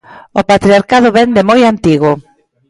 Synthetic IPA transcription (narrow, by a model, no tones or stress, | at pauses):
opat̪ɾiaɾkað̞ʊβɛnd̪emojant̪iɣʊ